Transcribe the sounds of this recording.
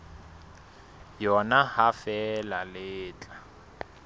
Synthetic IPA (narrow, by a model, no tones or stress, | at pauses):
jɔnahafɛlalɪːt͡ɬʼa